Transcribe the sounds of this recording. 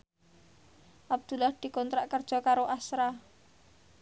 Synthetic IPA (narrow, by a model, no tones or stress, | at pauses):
ʔab̚d̪̥ṳlahd̪̥i̤kɔnt̪ɾaʔkərd̥ʒ̥ɔ̤kaɾoʔasɾa